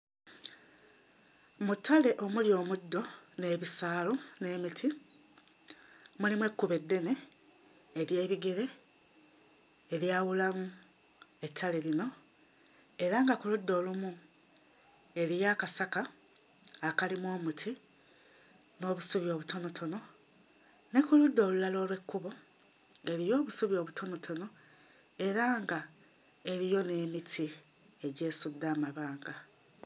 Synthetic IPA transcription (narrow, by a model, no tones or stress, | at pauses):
mutale̞ʔo̞muljo̞ːmudːo̞ne̞ːβisaːlune̞ːmitʰi | mulimwe̞kːuβedːe̞ne̞ː | ɾje̞ːβiɡe̞ɾe̞ | ɾjawulamu | e̞tʰːale̞lino̞ | e̞ɾaŋɡakulud̪ːo̞ːlumu | e̞ɾijaːkasakaː | kalimwo̞ːmutʰi | no̞ːβusuβjo̞ːβutʰo̞no̞tʰo̞no̞ | nekuludːo̞ːlulalo̞ːlwe̞kːuβo̞ | e̞ɾijo̞ːβusuβjo̞ːβutʰo̞no̞tʰo̞no̞ | e̞ɾaːŋɡa | e̞ɾijo̞ne̞ːmitʰi | e̞ɟe̞ːsud̪ːaːmaβaːŋɡa